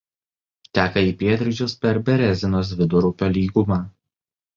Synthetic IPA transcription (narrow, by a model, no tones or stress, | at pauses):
t̪ʲæːkɐiːpʲiɛt̪ʲɾʲɪd͡ʒʲʊspʲɛɾbʲɛɾʲɛzʲɪnoːs̬ʋʲɪd̪ʊɾʊpʲɛlʲiːɡʊmɑː